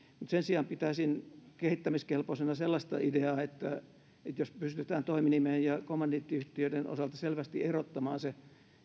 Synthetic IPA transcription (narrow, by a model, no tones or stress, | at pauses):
mut̪sensiɑmpit̪æsinkehit̪ːæmiskelposenɑselːɑst̪ɑ̰ideɑːet̪ːæ | et̪jospyst̪yt̪æːnt̪oiminimeːjjɑkomːɑnːit̪ːiyht̪iødeno̰sɑlt̪ɑselʋæst̪iʔerot̪ːɑmɑːnse